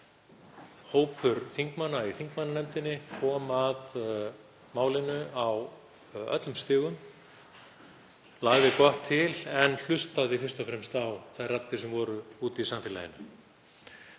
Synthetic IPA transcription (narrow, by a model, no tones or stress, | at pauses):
hoːwpʰʏɾθiŋkmanːaiθiŋkmanːanɛmt̪ɪnːɪkʰɔːmað | maːwlɪnːʏaw | œ̰t̪lʏmst̪ɪːɣʏm | laːɣvɪkɔht̪ʰːɪlɛnl̥ʏst̪aðifɪrst̪ɔfɾɛmst̪awθajrat̪ːɪsɛmvɔɾʏuːt̪isamfɪːla̰jɪ̰nʏ